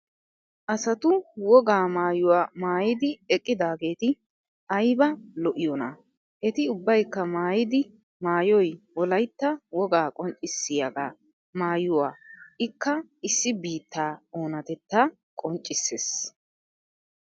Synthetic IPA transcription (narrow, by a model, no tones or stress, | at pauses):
ʔɐsɐt̪ʊwɔɡaːmaːjʊwaːmaːjɪd̪ɪɛkʼːɪd̪aːɡe̞ːt̪ɪ | ʔɐjbɐlɔʔɪjɔnɐ̰ | ʔɛt̪ɪʊbːɐjkːɐmaːjɪd̪ɪ | maːjɔjwɔlɐjt̪ːɐwɔɡaːkʼɔnt͡ʃʼːɪsːɪjɐɡaː | maːjʊwaːʔɪkːɐɪsːɪbiːt̪ːaːoːnɐt̪ɛt̪ːa | kʼɔnt͡ʃʼːɪsːes